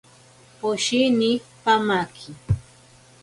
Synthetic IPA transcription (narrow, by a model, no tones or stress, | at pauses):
poʃinipamakʰɪ